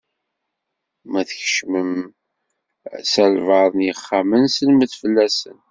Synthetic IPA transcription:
mæθəçə̥ʃməm | sælvəðˤnjəχːamənsəlməθfəlːæsə̰n

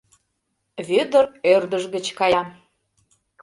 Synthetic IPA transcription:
βød̪ərørd̪əʒɣət͡ɕkɑjɑm

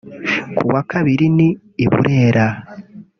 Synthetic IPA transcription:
kṵβwakaβiɾiniː | βṵɾe̞ːɾa

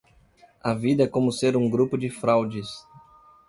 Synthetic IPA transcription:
ɐvid̪ɐɛkõmʊseɾũɡɾupʊd͡ʒɪfɾawd͡ʒɪs

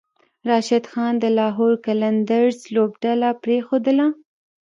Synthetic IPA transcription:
ɾɑʃɪd̪xɑnd̪əlɑɦoɾkaland̪aɾzlobɖalapɾexod̪əla

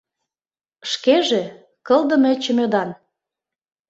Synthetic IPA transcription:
ʃkeʒĕ | kɤ̆ld̪ə̆mĕt͡ɕə̆mød̪ɑn

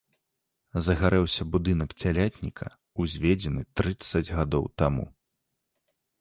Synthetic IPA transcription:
zɐɣaɾɛwsʲɐbud̪ɨnɐkt͡sʲalʲat̪ʲnʲikʰɐ̰ | uzʲvʲɛd͡zʲɛnɨt̪ɾɨt̪sːɐd͡zʲɣad̪ɔ̰wt̪amṵ

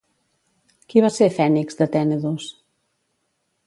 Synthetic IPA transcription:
kiβasefɛnikzd̪ət̪ɛneðus

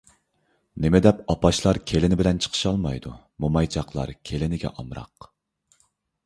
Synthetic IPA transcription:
nɪmɪd̪ɛpɑpɑʃlˠɑɾkʲʰelɪnɪbɪlɛnt͡ʃʰə̥qʰə̥ʃɑlˠmɑjd̪ṵ | momɑjt͡ʃʰɑqlˠɑ̰ɾkʲʰelɪnɪɡʲɛ̰ʔɑmɾɑ̰q

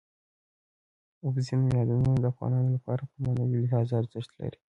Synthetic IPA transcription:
ʊbzinojɑd̪ununod̪əafɣɑ̰nɑnolapɑɾapəmanawilɪɦɑzaaɾzəʂt̪la̰ɾi̥

